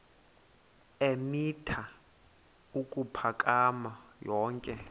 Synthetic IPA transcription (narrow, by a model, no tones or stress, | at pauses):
emitʰa | ukʼupʰakʼamajɔːŋkʼɛ